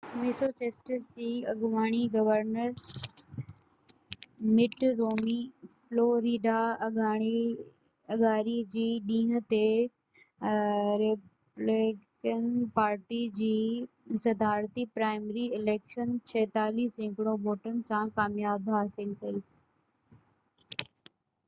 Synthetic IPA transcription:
mɪsot͡ɕeːsʈəd͡ʑiːɐɡʋaːɽ̃iɡɐʋəɾnəɾ | mɪʈɾoːmifloːɾiːɖaɐɡaːɽ̃i | ɐɡaːɾid͡ʑiːɗĩːɦə̆t̪e | ɾe | lɪkənpaːɾʈid͡ʑiː | sɐd̪aːɾt̪ipɾaːɪmɾiɪleːkʃənt͡ɕʰɐːt̪aːliːsɪ̃kɽ̃õboːʈənɪ̆sãkaːmjaːbɦaːsɪlkɐiː

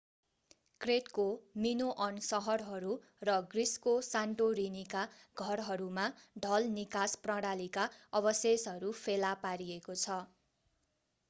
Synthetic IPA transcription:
kreʈkominoʔʌnsʌɦʌrɦʌɾu | rʌɡriskosaɳʈoɾinikaɡʱʌrɦʌɾumaɖʱʌlnikasprʌɽalikaʌbʌsesʌɾupʰelapaɾiekot͡sʰʌ

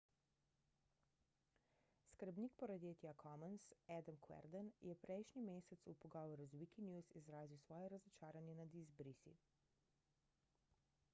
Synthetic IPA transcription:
skəɾbniːkpɔɾɐd̪jeːt̪jakʰɔmənsɛd̪əmkwɛ̰ɾd̪ənjɛpɾɛjʃnimeːsɛt̪supɔɡɔːʋɔɾuzwikinjusizɾaːziwsʋɔːjɛɾazɔt͡ʃaːɾanjɛnad̪izbɾisḭ

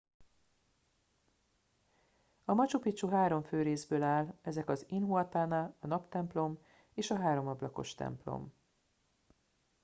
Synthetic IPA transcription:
ɒmɒt͡ʃupit͡ʃuɦaːɾo̞ɱføːɾeːzbøːlaːlɛzɛkɒzinɦuɒt̪aːnɒɒnɒpt̪ɛmplo̞m | eːʃɒɦaːɾo̞mɒblɒko̞̰ʃt̪ɛ̰mplo̞̰m

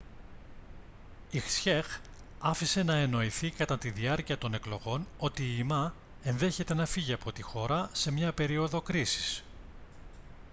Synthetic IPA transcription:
ixsçex | ɐfise̞nɐe̞no̞iθikɐt̪ɐt̪iðiɐɾciɐt̪o̞ne̞klo̞ɣo̞no̞t̪iːmɐ | e̞nðe̞çe̞t̪e̞nɐfiʝiɐpo̞t̪ixo̞ɾɐse̞mɲɐpe̞ɾio̞ðo̞kɾisi̥s

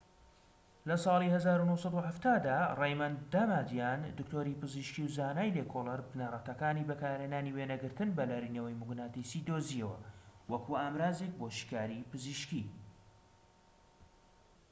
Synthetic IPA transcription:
lɐsˤɑːlˠihɐzaːɾunowsˤɑd̪uhaft̪aːd̪aːrejmɐnd̪amaːd̪ijaːnd̪ɨkt̪oːɾipɨziʃkiwzaːnaːjleːkʰolɐɾbnarˤɐt̪ɐkaːnibɐkaːɾheːnaːniwenɐɡɨɾt̪ɨnbɐlaːɾinewɛjmʊɡnat̪isid̪oːziɐwɐ̰wɐkʰuaːmɾaːzek̚boʃi̥kaːɾipɨziʃki

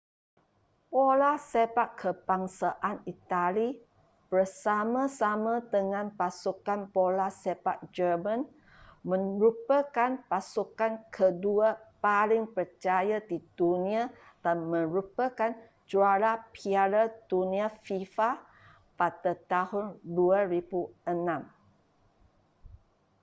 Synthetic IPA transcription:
polasebaʔkʰːəbaŋsaʔanit̪ali | b̥ərsamãsamãd̪əŋãnpasukanpolasebaʔ̚d͡ʒəmãn | mə̃nɾupəkanpasukankʰəduapalɪŋpərt͡ʃajadidunĩa | d̥anmə̃ɾupəkan | d͡ʒuaɾapʰiaɾad̥unĩafifa | padət̪ahʊnduaɾibuənãm

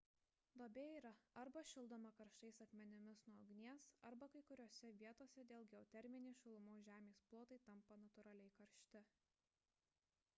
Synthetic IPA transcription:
d̪oːbʲeːiːɾɐɐɾbɐʃʲɪlˠd̪oːmɐkɐɾʃt̪ɐɪsɐkmʲɛnʲɪmʲɪsnuɔɡnʲiɛsɐɾbɐkɐɪkʊɾʲoɔsʲɛʋʲiɛt̪oːsʲɛd̪ʲeːlˠɡʲɛɔt̪ʲɛɾʲmʲɪnʲeːʃʲʊlˠʊmoːʒʲæːmʲeːsplˠoːt̪ɐɪt̪ɐmpɐnɐt̪ʊɾɑlʲɛɪkɐɾʲʃʲt̪ʲɪ

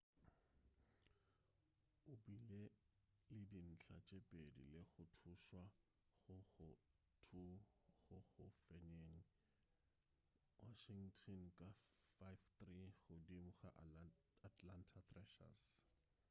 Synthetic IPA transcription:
ʊbile | lɪdin̩t͡ɬʰat͡ʃʼepʼedḭlɪɣʊtʰuʃwa | χʊɣʊ | tʰuɣʊɣʊfɛɲeŋ̩ | waʃiŋ̩tʰɔnkʼafajft̪riɣʊdimʊχa̰ʔ | atʰlantʰat̪rɛʃa̰s

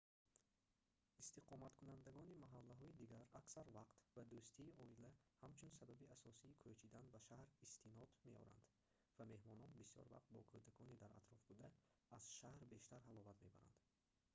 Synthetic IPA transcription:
ist̪iqʰɔmat̪kʰunand̪aɡɔnimaɦalːaɦɔid̪iɡaɾaksaɾvaqt̪vad̪ust̪ʰiːɔilæhamt͡ʃʰunsababiasɔsiːkʰot͡ʃʰid̪anbaʃahɾist̪ʰinɔd̪me̞ɔ̰ɾa̰nd̪ | vame̞hmɔnɔnbisjɔ̰ɾva̰qt̪̚bɔ̰kʰud̪akʰɔnid̪aɾa̰t̪ɾɔfbud̪æːz̥ʃahɾbe̞ʃt̪ʰaɾɦalɔvat̪me̞̰baɾa̰nd̪̥

